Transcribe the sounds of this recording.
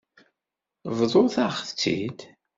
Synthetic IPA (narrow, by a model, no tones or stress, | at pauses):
vðˤoθæχθt͡sːḭd̪